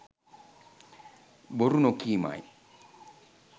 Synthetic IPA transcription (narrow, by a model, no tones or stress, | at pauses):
boɾunokiːma̰j